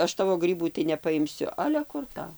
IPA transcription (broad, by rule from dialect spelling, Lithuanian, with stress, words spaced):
ˈɐʃ ˈtɑːʋoː ˈɡrʲiːbuː tɐɪ nʲɛpɐɪmʲˈsʲʊ ˈɑːlʲɛ ˈkʊr tɐʊ